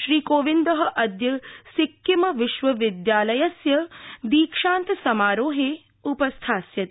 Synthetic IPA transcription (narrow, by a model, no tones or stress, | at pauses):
ʃɾiːkoːʋind̪ɐɦɐ̆ʔɐd̪jɐsikjimɐʋɪʃʋɐʋɪd̪jaːlɐjɐsjɐd̪iːkʃaːnt̪ɐsɐmaːɾoːɦeː | upɐst̪ʰaːsjɐt̪